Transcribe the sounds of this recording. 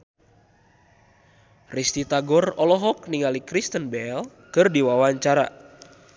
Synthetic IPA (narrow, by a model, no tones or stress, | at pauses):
rist̪it̪aɡɔrɔlɔɦɔk̚niŋalikɾist̪ənbɛl | kɨrdiwawaɲt͡ʃaɾa̰